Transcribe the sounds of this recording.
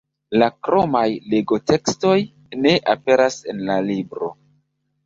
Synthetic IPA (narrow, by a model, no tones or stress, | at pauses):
lakɾo̞majle̞ɡo̞te̞ksto̞j | ne̞ʔape̞ɾase̞nlalibɾo̞̰